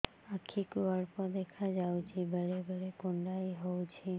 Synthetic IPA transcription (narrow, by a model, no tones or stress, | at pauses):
akʰːikuəɽpɔd̪ekʰad͡ʒawt͡ʃʰibʱəɽebəɽekoɳɖaiɦowt͡ʃʰi